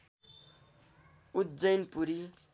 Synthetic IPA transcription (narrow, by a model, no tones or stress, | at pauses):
ut̪̚d͡zəjnpuɾi